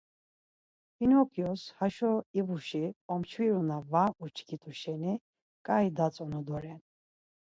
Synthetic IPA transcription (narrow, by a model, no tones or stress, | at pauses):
inhɔkʰijɔshaʃɔivuʃiɔmt͡ʃʰwiɾunavaut͡ʃʰɡit̪ʼuʃɛni | kʼaid̪at͡sʼɔnɔd̪ɔɾɛn